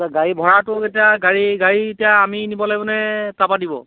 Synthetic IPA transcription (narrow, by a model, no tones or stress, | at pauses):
ɡaɹibʱɔɹatʊetijaɡaɹiɡaɹietijaːminibɔlajbɔnɛtapadibɔ̰